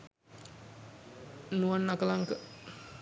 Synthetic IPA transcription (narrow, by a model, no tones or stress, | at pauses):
nuanːakəlaŋkə